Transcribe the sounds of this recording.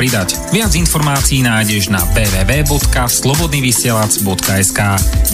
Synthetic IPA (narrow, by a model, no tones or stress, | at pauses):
ɾid̪ac | ʋɪad͡zinfɔɾmaːt͡siiːnaːjɟɛʒna̰bɛːʋɛːʋɛːbɔt̪kaslɔbɔd̪niːʋisɪɛlad͡zbɔt̪kaɛskaː